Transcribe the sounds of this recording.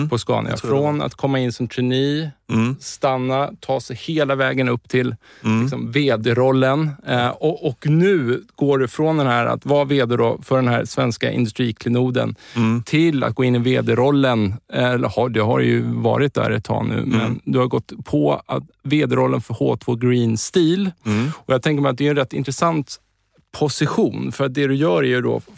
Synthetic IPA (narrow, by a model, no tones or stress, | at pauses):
pʰɔskɑ̰ːn̰a̰fɾɔna̰t̪kʰɔmːaɪnːsɔmt̪ʰʉniː | st̪anːat̪ʰɑːsɛjheːlavɛːɡənɵpːt̪ʰɪl | ɪksɔmveːd̪ɛɾɔlːənɔɔknʉ̟ːɡ̥oːɖɛfɾɔnd̪ɛnɦæɾa̰t̪vɑːveːd̪ɛd̪ɔfœɖɛnɦæɾsvɛnska̰ʔɪ̰nd̪ɵst̪ɾiːkʰlɪnuːd̪ə̰nt̪ʰɪlːa̰t̪̚ɡoːɪnːɪveːd̪ɛɾɔlːənɛlːə̰ɾhɑɖ̪ɛɦa̰ɾjɵ̰vɑ̰ːɾɪt̪̚d̪æ̰ːɾɛt̪ʰːɑ̰ːnʉ̟̰ːmɛ̰nd̪ɵhaɡɔt̪ːpʰɔat̪veːd̪ɛɾɔlːənfœɾhoːt̪ʰoːɡɾiːnst̪iːlɔjɑɡt̪ʰɛŋk̬əɾmɛjat̪̚d̪ɛɛnɾɛt̪ːɪ̰nt̪ɾɛsant̪ | pʰɔsɪɧuːnfœɾat̪̚d̪ɛd̪ɵjœːɾæɾjɵd̪ɔ̰